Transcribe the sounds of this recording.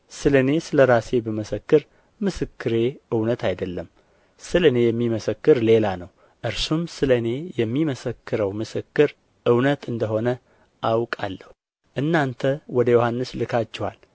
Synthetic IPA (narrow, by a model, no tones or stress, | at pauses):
sɨləne̞sɨləɾase̞bəməsəkːɨɾ | mɨsɨkːɨɾe̞ɨwnət̪ʰajd̪əlːəm | sɨləne̞jɛmːiməsəkːɨɾle̞lanəw | ʔɨɾsumsɨləne̞jɛmːiməsəkːɨɾəwmɨsɨkːɨɾ | ʔɨwnət̪ɨnd̪əho̞nə | ʔawkʼa̰lːəhu | ʔɨnːant̪ʰəwɔd̪əjohanːɨslɨkʰat͡ʃːɛha̰l